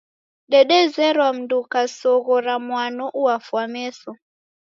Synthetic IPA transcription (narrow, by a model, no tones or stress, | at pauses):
ɗɛɗɛzɛɾwam̩ndukasɔɣɔɾamwanɔʔuafwamɛsɔ